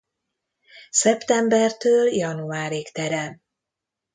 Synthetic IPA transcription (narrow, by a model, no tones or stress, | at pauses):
sɛpt̪ɛmbɛrt̪øːljɒnuaːɾikt̪ɛɾɛn